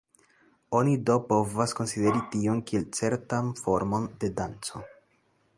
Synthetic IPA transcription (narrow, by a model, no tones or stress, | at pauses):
o̞nido̞po̞vasko̞nside̞ɾitio̞nkie̞lt͡se̞ɾtanfo̞ɾmo̞nde̞dant͡so̞